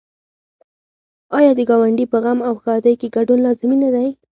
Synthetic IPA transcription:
ɑjɑd̪əɡɑwaɳɖipəɣamawxɑd̪əjkeɡaɖunlɑzɪminad̪aj

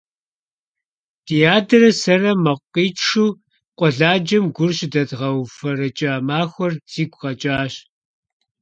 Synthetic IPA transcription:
d̥ijaːdɐrɐsɐrɐmɐqʷiːt͡ʃʂuː | qʷʼɔɮaːd͡ʒɐmɡʷʊrɕdɐdʁɐwfɐrɐt͡ʃʼaːmaːxʷɔrz̥iːɡʷʼqɐt͡ʃʼaːɕ

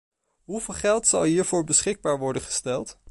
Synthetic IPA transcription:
ɦuveːlˠχɛlˠtsɑlˠɦiːɹvʊːɹbəsχɪɡ̚baːɹʋɔɹdənχə̥stɛlˠt

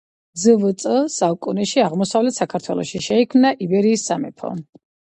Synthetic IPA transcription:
zəvt̪sʼəsakʼunɛʃiaʁmɔsavlɛt̪ʰsakʰaɾt̪ʰwɛlˠɔ̰ʃiʃɛikʰmnaʔibɛɾiːsːamɛpʰɔ̰

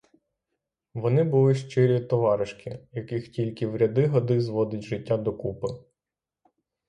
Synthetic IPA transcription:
ʋɔnɪbʊlˠɪʃt͡ʃɪɾʲit̪ɔʋɑɾɪʃkɪjɐkɪxtʲilʲkɪʋɾʲɐd̪ɪɦɔd̪ɪzʋɔd̪ɪtʲʒɪtʲːad̪ɔkupɪ

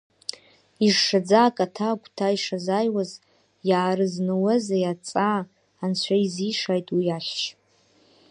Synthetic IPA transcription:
iʐʂad͡zaːkʼatʰaɡʷʰʼtʰaiʂazaːjwaz | jaːɾɨznɨwazajat͡sʼaː | nt͡ɕʷʰaiziʂaːjtʼwijaɬʲʃ

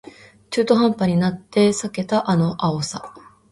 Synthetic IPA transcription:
t͡ɕɨːt̪o̞ɦãmpaɲ̟inat̪ːe̞sake̞t̪aʔano̞ʔaosa

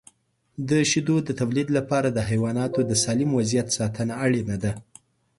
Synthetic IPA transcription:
d̪əʃid̪od̪ət̪awlid̪lapɑɾad̪əɦajwɑnɑt̪od̪əsɑlɪmwazijat̪sɑt̪ənaːɽenad̪a

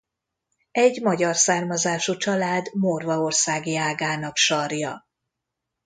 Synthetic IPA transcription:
ɛɟmɒɟɒrsaːrmɒzaːʃut͡ʃɒlaːd̪morvɒo̞rsaːɡijaːɡaːnɒkʃɒrjɒ

